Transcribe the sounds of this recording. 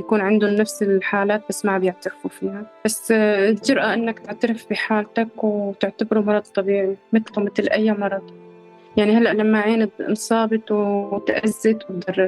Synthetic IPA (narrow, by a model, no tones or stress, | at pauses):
jakuːnʕɪnd̪ʊnːafsɪlħaːlaːt̪̚basːmabjɪʕt̪aɾfufiːhab̥asːld͡ʒʊɾʔaʔɪnːakt̪ɪʕt̪aɾɪfbiħaːlt̪akwt̪ɪʕt̪abɾumɑɾˤɑd̪̚ˤt̪ˤːɑbiːʕimɪt̪lmɪt̪lʔajːamɑɾˤɑd̪̥ˤ | jaʕnihalːaʔlamːaʕeːnɪd̪nsˤɑːbɨt̪ˤwt̪ʔazːɪt̪wt̪̚d̪ɑrˤːɪ